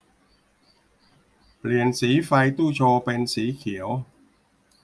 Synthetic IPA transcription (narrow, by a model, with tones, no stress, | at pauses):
pli˨˩ənsiː˩˦fa˧jt̪uː˥˩t͡ɕʰoː˧pe˧nsiː˩˦kʰi˩˦əw